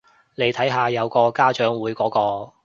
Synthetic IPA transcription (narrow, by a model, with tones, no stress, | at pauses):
ne˨˧jt̪ʰɐ˨˥jɦaː˨˧jɐ˨˧wkɔː˧kaː˥t͡ʃœː˨˥ŋwuː˨˥jkɔː˨˥kɔː˧